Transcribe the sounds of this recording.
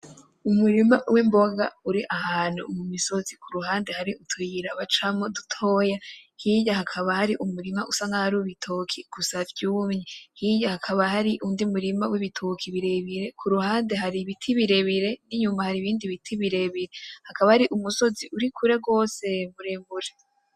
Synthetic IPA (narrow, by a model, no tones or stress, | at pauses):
umuɾimawimbo̞ɡauɾiʔahaːn̥hṵːmumiso̞zikʰuɾuɦaːnde̞haɾiʔutʰujiɾaβat͡ʃamodutʰo̞ːjahiɟahakʰaβahaɾiʔumuɾimaʔusaŋɡahaɾuβitʰokʰiɡ̥usavjuːmɲehiɟahakʰaβahaɾiʔundiumuɾimawiβitʰokʰiβiɾeβiɾe̞kʰuɾuhaːnde̞ɦaɾiβitʰiβiɾe̞βiɾe̞niɲumahaɾiβiːndiβitʰiβiɾe̞βiɾe̞hakaβahaɾiʔumuso̞ziʔuɾikʰuɾe̞ɡo̞ːse̞mbuɾeːmbuɾe